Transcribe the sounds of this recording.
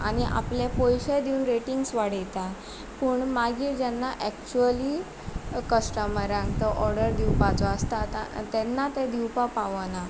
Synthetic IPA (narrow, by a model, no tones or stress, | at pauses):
añiʔa̰pljapɔjɕed̪iunɾeʈiŋɡsʋaɽ̤əjt̪a | puːɳmaɡiːɾd͡ʑɛnːaʔɛkt͡ɕuəliː | kəsʈəməɾãŋɡt̪əʔɔɾɖəɾd̪iwpat͡sɔəst̪at̪a̰t̪ɛnːat̪ɛd̪iwpapaʋəna